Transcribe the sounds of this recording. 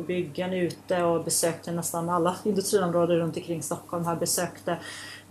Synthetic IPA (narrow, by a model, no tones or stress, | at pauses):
bʏɡːanəʉ̟ːt̪əɔbɛsøːk̚t̪ʰənɛst̪analːaɪnd̪ɵst̪ɾiːɔmɾoːd̪əɾɵnt̪ɔkʰɾɪŋːst̪ɔkʰːɔlmɦaːbɛsøːkt̪ə